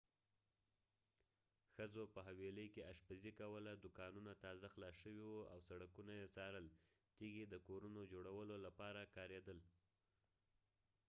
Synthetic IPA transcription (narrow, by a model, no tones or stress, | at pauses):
xəzopəɦaweləjkeaʃpazikawəlad̪ʊkɑnunat̪ɑzaxlɑʃəwiwua̰wsaɽakunajesɑɾəl | t̪iɡid̪əkoɾunod͡ʒoɽawəlolapɑɾakɑɾed̪əl